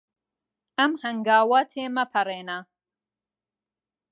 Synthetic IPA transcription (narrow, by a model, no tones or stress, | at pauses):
ɐmhɐŋɡaːwɐt̪ʰeːmɐpʰɐreːnɐ